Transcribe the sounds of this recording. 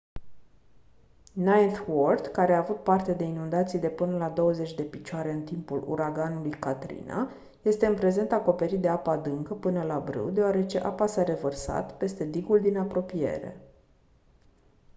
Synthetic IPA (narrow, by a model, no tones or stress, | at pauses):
najt̪word̪kaɾe̞aːvut̪̚part̪e̞d̪e̞inund̪at̪sijd̪e̞pɨnəlad̪o̞wəze̞t͡ʃʲd̪e̞pit͡ʃoaɾe̞ɨnt̪impulṵɾaɡanulujkat̪ɾḭna̰ | je̞st̪eɨnpɾe̞ze̞nt̪ako̞pe̞ɾit̪̚d̪eapad̪ɨŋkəpɨnəlabɾɨ̰wd̪e̞oaɾe̞t͡ʃe̞ʔapasaɾe̞vərsa̰t̪pe̞st̪e̞d̪iɡuld̪inapɾo̞pije̞̰ɾe̞̰